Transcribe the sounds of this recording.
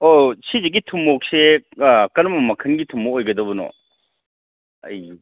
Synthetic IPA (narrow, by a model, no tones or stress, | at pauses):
osizeɡitʰumːok̚sekɐnmɐmɐkʰɐnɡitʰumːoojɡɐdɐbunɔ̰ | ɐ̰j